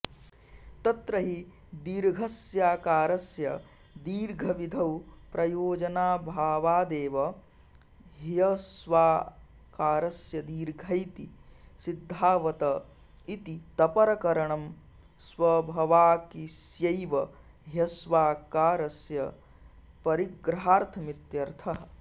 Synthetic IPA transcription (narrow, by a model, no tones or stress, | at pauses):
t̪ɐt̪ɾɐɦi | d̪iːɾɡʱɐsjaːkaːɾɐsjɐ | d̪iːɾɡʱɐʋid̪ʱɐwpɾɐjoːd͡ʒɐnaːbʱaːʋaːd̪eːʋɐ | ɦjɐsʋaː | kaːɾɐsjɐd̪iːɾɡʱɐjt̪isid̪ʱːaːʋɐt̪ɐ | it̪it̪ɐpɐɾɐkɐɾɐɳɐm | swɐbʱɐʋaːkisjɐjʋɐ | ɦjɐsʋaːkaːɾɐsjɐ | pɐɾiɡɾɐɦaːɾt̪ʰɐmit̪jɐɾt̪ʰɐɦɐ